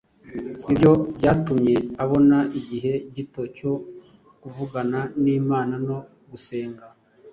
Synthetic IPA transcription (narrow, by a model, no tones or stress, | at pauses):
ibjo̞bɟaːtumɲe̞aβo̞naʔiɟiɦe̞ɟito̞co̞ | kuvuɡananiːmaːnano̞ | ɡuse̞ːŋɡa